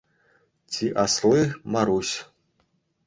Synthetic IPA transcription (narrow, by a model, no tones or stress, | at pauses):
t͡sʲʰiʔaslɨmaɾusʲ